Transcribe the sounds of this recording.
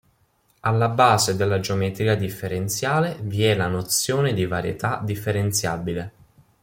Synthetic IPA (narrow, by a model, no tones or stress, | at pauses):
alːabaːzed̪elːad͡ʒeomɛt̪ɾikad̪ifːeɾent̪sjaːleviɛlanot̪sjoːned̪ivaɾjḛt̪ad̪ifːeɾent̪sjaːbile